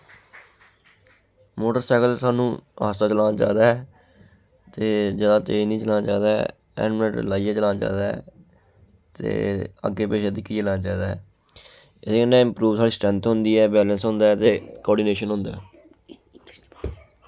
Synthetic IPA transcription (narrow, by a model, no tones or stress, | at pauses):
moːʈəɾsaːkəlsaːnũːɦa̰ːst̪aːt͡ʃəlãːnat͡ʃa̰ːd̪aːɛː | t̪eːd͡ʒəːd̪aːt̪eːnĩːt͡ʃəlaːnat͡ʃaːd̪aːɛ̰ | ɛ̰ːnmnəʈlaːijaːt͡ʃəlãːnat͡ʃa̰ːd̪aːɦɛ̰ː | t̪ḛːə̰ɡeːpeːʃed̪ɪkːielãːnad͡ʒaːd̪aːɛː | ɪseːkənːɛ̃ːɪ̃mpɾuːʋsaːɽiːsʈɾɛ̃nt̪ɦʊnd̪iːɛːbɛːlənsɦʊ̃nd̪aːɛt̪eːkɔːɖineːʃənɦʊ̃nd̪a̰ː